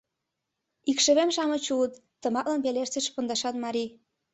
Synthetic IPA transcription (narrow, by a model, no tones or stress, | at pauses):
ikʃə̆βemʃɑmɤ̆t͡ɕuət̪ːə̆mɑklɑnpeleʃt͡sĕʃpond̪ɑʃɑt̪mɑɾi